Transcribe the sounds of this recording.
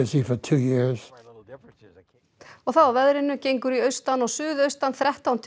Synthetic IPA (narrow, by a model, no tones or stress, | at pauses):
ɪsifə˞tʰʉːjɪɹz̥ | ɔɣθawavɛðɾɪnːʏcejŋkʏɾiœɥst̪anɔɣsʏːðœɥst̪anθɾɛht̪awnt̪ʰ